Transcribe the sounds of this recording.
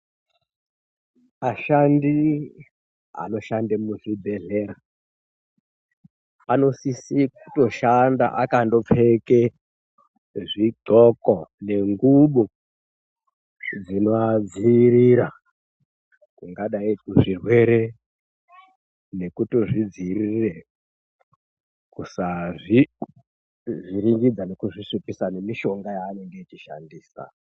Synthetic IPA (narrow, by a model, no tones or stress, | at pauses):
maʃandi | a̰no̞ʃandemuʐibʱeɮeːɾa | pano̞sisiku̥to̞ʃanda̰ʔakando̞p͡feke | ʐiɡokone̞ŋɡuɓo | d͡zinoad͡ziɾiɾa | kuŋɡaɗaikuʐirwe̞ɾe | ne̞kutoʐid͡zirire | kusaʐi | ʐiɾiŋɡid͡zane̞kuʐisipisane̞miʃo̞ŋɡajaːne̞ŋɡe̞it͡ʃiʃa̰ndiːsa̰